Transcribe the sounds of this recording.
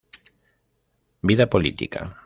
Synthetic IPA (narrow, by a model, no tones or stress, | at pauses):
biðapolḭt̪ḭka̰